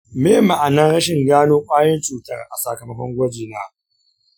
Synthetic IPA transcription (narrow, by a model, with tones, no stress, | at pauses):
meː˦˨ma˨ʔa˨nɐ˦ŋɽɐ˦ʃɪ˨ŋɡaː˦noː˦kʷʼaː˦jɐ˦nt͡ʃʼuː˨tɐ˦rʔa˨sa˨kɐ˨mɐ˦kʷɔ˦ŋɡʷɐ˦d͡ʒeː˨naː˦